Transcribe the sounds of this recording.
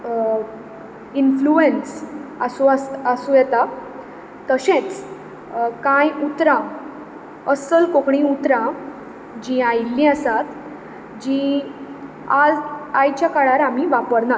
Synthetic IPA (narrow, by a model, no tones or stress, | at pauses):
influensəsuasəsujɛt̪a | t̪əɕẽt͡s | kãjut̪ɾã | əsəlkokɳĩut̪ɾã | d͡ʑĩajlːĩːəsat̪ | d͡ʑĩ | aajt͡ɕjakaɭaɾam̤iʋapəɾna